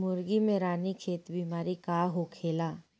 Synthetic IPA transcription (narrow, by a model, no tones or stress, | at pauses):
mʊɾɡimẽɾaːnikʰeːt̪bimaːɾikaːɦokʰeːlaː